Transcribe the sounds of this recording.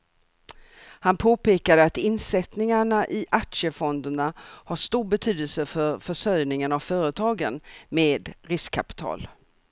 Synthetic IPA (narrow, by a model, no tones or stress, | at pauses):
hanpʰoːpeːkad̪əat̪ɪnsɛt̪nɪŋaɳaʔɪʔakʂəfɔnd̪əɳahaʂt̪uːɾbɛt̪ʰyːd̪əlsəfœɾfœʂœɾnɪŋənavfœːɾət̪ʰɑːɡənmeːd̪ɾɪskʰːapɪ̥t̪ʰɑ̰ːl